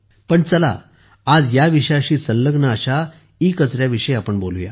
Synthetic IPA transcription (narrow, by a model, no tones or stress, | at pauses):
pəɳt͡səla̰ː | d͡zjaʋiɕjaɕiːsəlːəɡnəːɕa | ikət͡sɾjaʋiʂəjapəɳbo̰luja̰